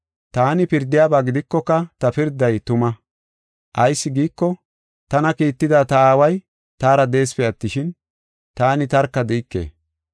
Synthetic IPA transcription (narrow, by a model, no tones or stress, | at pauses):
t̪aːnɪpɪɾd̪ːɪjaːbaːɡɪd̪ɪkːɔkːɐt̪ɐpɪɾd̪ːɐjt̪ʊmɐ | ʔɐjsːɪɡiːkːɔ | t̪ɐnɐkiːt̪ːɪd̪at̪ɐaːwɐj | t̪aːɾɐd̪e̞ːspɛɐt̪ːɪʃɪn | t̪aːnɪt̪ɐɾkːɐd̪ɛːkːḛː